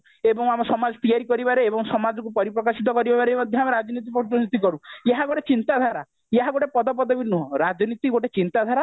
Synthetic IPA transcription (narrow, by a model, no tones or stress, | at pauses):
ebɔŋamɔsɔmad͡ʒɔt̪iaɾikɔɾibaɾeːbɔŋsɔmad͡ʒɔŋkupɔɾipɾɔkasit̪̬ɔkɔɾibabaɾemɔd̪ʱjɔameɾad͡ʒɔnit̪̬ipɾɔd͡ʒɔnit̪ikɔɾueɦaɡoʈet͡ʃint̪ad̪ʱaɾa | jeɦaɡoʈepɔd̪ɔp̬ɔd̪ɔbinuɦɔ̃ɾad͡ʒɔnit̪iɡoʈet͡ʃint̪ad̪ʱaɾa